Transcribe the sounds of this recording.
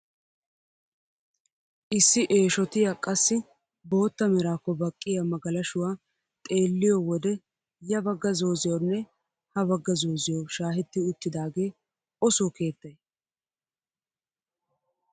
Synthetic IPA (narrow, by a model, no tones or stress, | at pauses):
ʔɪsːɪʔe̞ːʃɔt̪ɪjakʼɐsːɪ | bo̞ːt̪ːɐmɛɾaːkːɔbɐkʼːɪjɐmɐɡɐlɐʃʊwaː | t̪ʼe̞ːlːɪjɔwɔd̪ɛ | jɐbɐɡːɐzo̞ːzɪjɔnːɛ | hɐbɐɡːɐzoːzɪjɔʃaːɦɛt̪ːɪʊt̪ːɪd̪aːɡe̞ː | ɔsoke̞ːt̪ːɐj